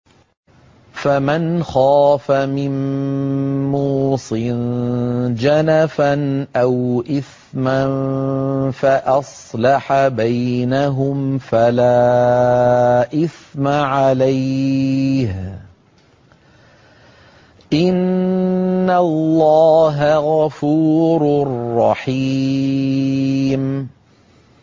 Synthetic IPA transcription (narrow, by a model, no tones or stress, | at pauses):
famanxaːfamɪm | muuːsˤɨn | d͡ʒanafanʔawʔɪθ | man | faʔɑsˤlɑħabajnaɦʊmfalaː | ʔɪθmaʕalaj | h | ʔɪnː | alːɑːɦaɣafuːɾrˤːɑħiː | m